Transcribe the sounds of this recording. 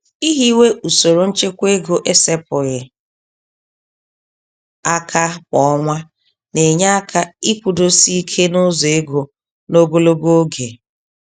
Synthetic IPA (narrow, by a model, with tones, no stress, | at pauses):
i˦ɦi˦we˦ʔu˨so˨ɾo˨n̩˦t͡ʃe˦kʷe˦ɡo˨ʔe˦se˦pʊ˨ɣɪ˨ | a˦kʰa˦kɔ˨˦ŋʷa˦ | ne˨ɲa˦a˦kʰa˦i˦kʷu˨do˦si˦kʰe˦no˦zo˨e˦ɡo˨ | no˦ɡo˦lo˦ɡo˦ɡe˨